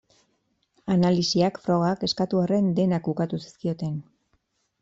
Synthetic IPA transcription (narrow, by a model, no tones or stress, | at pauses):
analisiakfɾo̞ɣ̞ake̞skat̪uare̞nd̪e̞nakukat̪usi̥skio̞t̪e̞n